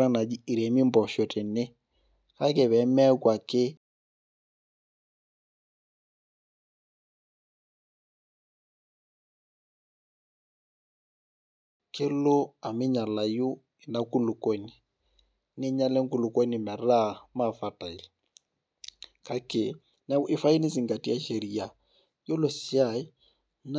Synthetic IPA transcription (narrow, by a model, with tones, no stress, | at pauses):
a˦na˨d͡ʒi˦i˨ɾe˨mi˦mbɔ˨ʃɔ˨te˨nɪ˦ | ka˦ke˨βɛ˨˦mɛ˦a˦kwa˨kɪ˦ | kɪ˦lo˦a˨mɪ˦ɲa˨la˨ju˦ | ɪ˨na˦ku˦lu˨ko˦ni˨ | nɪ˦ɲa˦lɛ˦ŋ˦ku˨lu˨ko˦nɪ˨mɛ˨ra˦ma˦˨fa˨ta˨i˨l | ka˨kɪ˨ | na˦ʔɪ˦fa˦i˦ni˦si˨ŋɡa˨ti˦a˦ʃe˨ɾi˨a˨ | jo˦lo˨si˦a˦˨i˦ | n